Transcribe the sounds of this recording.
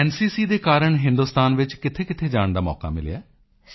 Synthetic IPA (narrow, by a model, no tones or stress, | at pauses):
ɛːnsiːsiːd̪eːkaːɾəɳɦɪ̃nd̪uːst̪aːnʋɪt͡ʃkɪt̪ʰeːkɪt̪ʰeːd͡ʒaːɳd̪aːmɔ̰ːka̰ːmɪ̰ljaː